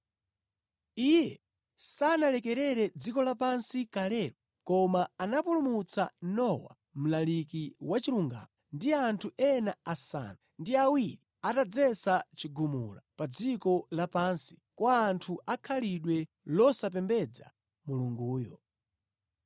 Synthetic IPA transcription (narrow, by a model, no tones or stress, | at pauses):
ijɛ | sanalɛkɛɾɛɾɛd͡zikɔlapansikalɛːɾɔ | kɔmaanapulumut͡sa̰nɔwa̰ | m̩lalikiwat͡ʃiɾuŋɡa̰mandiantʰuɛnaasa̰nandiawiɾiatad͡zɛsat͡ʃiɡumṵla̰pad͡zikɔlapansi̥kwaːntʰuʔakʰaliɗwɛ | lɔsap̬ɛmbɛd͡za̰ | muluŋɡuːjɔ